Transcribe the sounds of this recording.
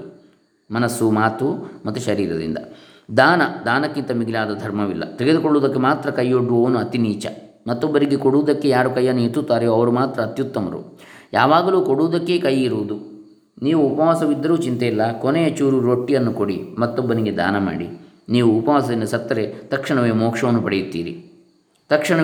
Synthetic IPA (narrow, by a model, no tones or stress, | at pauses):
mɐnɐsumaːt̪umɐt̪ːuʃɐɾiːɾɐd̪ḭnd̪ɐ̰ | d̪aːnɐd̪aːnɐkːint̪ɐmiɡilaːd̪ɐd̪ʱɐɾmɐʋḭlːɐ̰t̪eɡe̞d̪ukoɭːoːd̪ɐkːe̞maːt̪ɾɐkɐjːoɖːuoːnuɐt̪iniːt͡ʃɐ̰ | mɐt̪ːɔbːɐɾiɡekoɽuːd̪ɐkːe̞jaːɾukɐjːɐnːuit̪ːut̪ːaːɾejoːɐʋɐɾumaːt̪ɾɐːt̪jut̪ːɐmɐ̰ɾṵ | jaːʋaːɡɐluːkoɽuːd̪ɐkːe̞ːkɐjiɾuːd̪u | niːʋuːpɐʋaːsɐʋid̪ːɐɾuːt͡ʃint̪eilːɐkonejɐt͡ʃuːɾuɾoːʈːijɐnːukoɽḭmɐt̪ːɔbːɐniɡe̞d̪a̰ːnɐma̰ːɽḭ | niːʋuːpɐʋaːsɐd̪ind̪ɐsɐt̪ːɐɾet̪ɐkʂɐɳɐʋeːmɔːkʂɐʋɐnːupɐɽejut̪ːḭːɾḭ | t̪ɐkʂɐɳɐ